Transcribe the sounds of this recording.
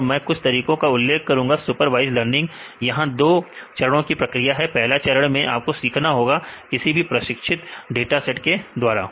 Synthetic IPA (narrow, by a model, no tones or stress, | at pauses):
ɾmɛ̃ːkʊt͡ʃʰt̪ɐɾiːkõkaʊlːeːkʰkɐɾũːŋɡasʊpəɾʋaːɪzləɾnɪ̃ŋɡ | jɐɦãd̪oːt͡ʃɐɾəɽ̃õkipɾɐkɾijaɦɛpɛɦlat͡ʃɐɾəɽ̃mẽʔa̰ːp̚kosiːkʰnaɦoːɡakɪsibʱipɾɐʃɪkʃʰɪt̪ɖeːʈasɛʈked̪waːɾa̰ː